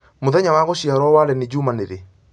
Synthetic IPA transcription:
moðɛɲawaːɣoɕiaɾwɔwaɾɛnid͡ʑumaneɾe

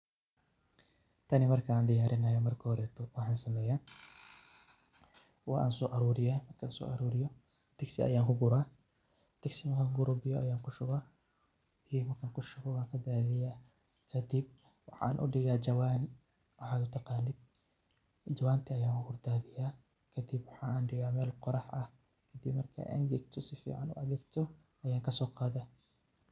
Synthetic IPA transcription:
t̪ʰɐnɪmɐrkʰɐaːnd̪ɪjaːɾɪnɐjɔmɐrkʰɐhɔɾɛːt̪ʰɔwɑħɑːnsɐmɛːjaːn | wɑːʔa̰ːnsɔːʔɐɾuːɾɪjaːmɐrkʰansɔ̰ːʔɐɾuːɾɪjɔ | t̪ʰɐɡsɪɐ̰jaːŋkʰʊɡʊɾaː | d̪̥ʰɐɡsɪmɐkaɡʊɾʊbɪjɔʔɐjaːŋkʰʊʃʊɣaː | mɐkʰaːŋkʰʊʃʊɣɔwaːŋkʰɐd̪aːðɪjaː | kʰɐd̪ɪb̚ | wɑ̰ħɑ̰nʔʊ̰ɖɪɣaːd͡ʒɐwaːn | ʔɔħaːd̪ʊt̪ʰɑqɑːnɪd̪̚ | d͡ʒɐwaːnt̪ʰiɐjaːŋkʰʊhʊrd̪aːðɪjaː | kʰɐd̪ɪbwɑħɑːaːnɖɪɣaːmɛːlqɔɾɑħɐh | kʰɐd̪ibmɐrkʰɐ̰ʔɐ̰ŋɡ̪ɛɡt̪ʰɔsɪfḭːʕa̰nʊ̰ɐðɛːɡt̪ʰɔ | ʔɐjaːŋkʰɐsɔːqɑːðaː

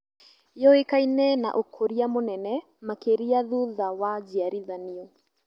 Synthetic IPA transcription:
jɔikajnɛna̰ʔukʰoɾiamunɛnɛ | makeɾiaðuðawad͡ʒiaɾiðaniu

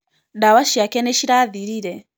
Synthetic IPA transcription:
dawaʃiakɛnɛʃiɾaðiɾiɾɛ

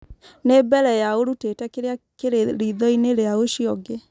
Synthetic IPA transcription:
nebɛɾɛjaoɾutetɛkeɾeakeɾeɾiðɔineɾeaoʃiɔɡe

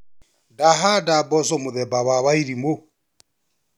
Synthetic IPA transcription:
daɦadabɔs̬ɔmʊðɛbaβaβaiɾimo

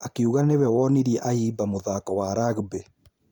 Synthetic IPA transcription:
akeuɣanewɛwɔniɾiɛʔaibamoðakɔwaɾaɣbe

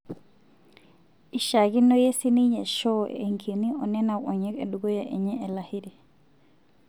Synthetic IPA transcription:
ʔiʃaɡinːɔjesiniɲɛʃɔɛ̰ːŋkʰiniʔɔnɛnawɔɲɛkɛ̰ɗuɡɔjaʔɛɲɛʔɛlahiɾɛ

